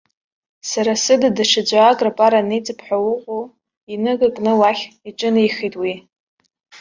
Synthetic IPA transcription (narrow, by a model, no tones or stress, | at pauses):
saɾasɨdadaʂad͡ʒʷaːɡʼrapʼaɾanet͡sʼɨpʰħʷᶣawʊqʷʼo | inɨɡakʼnɨwaχʲiʈ͡ʂʼɨnijχijtʼwi